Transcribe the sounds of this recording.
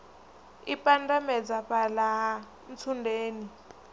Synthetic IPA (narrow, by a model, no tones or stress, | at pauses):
ipandamɛd͡zapala | nt͡sʰundʱeːni